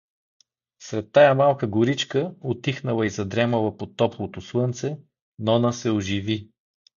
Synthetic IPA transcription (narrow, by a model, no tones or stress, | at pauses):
sɾɛt̪ːajamalˠkəɡʊɾit͡ʃkəot̪ixnəlˠəizɐd̪ɾɛməlˠəpot̪ɔplˠot̪oslˠɤnt̪sɛ | nɔnəsɛoʒivi